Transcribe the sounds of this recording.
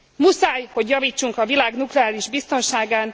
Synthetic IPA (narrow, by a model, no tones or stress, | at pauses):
musaːjho̞ɟjɒviːt͡ʃːuŋkɒvilaːɡnuklɛaːliʒbist̪o̞nʃaːɡaːn